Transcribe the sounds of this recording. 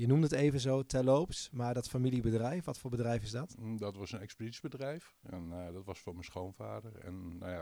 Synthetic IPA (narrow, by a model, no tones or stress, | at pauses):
jənumətejvənzoːtʰɛlowpsmaɹdɔtfamilibədrɛjfʋɔtfʊːɹbədrɛjfɪsdɔtdɔtʋɑsənɛkspədisbədrɛjf | ɛnadɔtʋɑsfʊːmɛnsχownva̰ːdəɹɛ̰nːa̰ja